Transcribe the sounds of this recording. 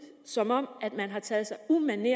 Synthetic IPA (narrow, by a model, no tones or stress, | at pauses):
sɒ̽mɒ̽m̰æd̥mænɦɑ̈t͡sʰɛːð̩ˠsɑ̈ɪumæne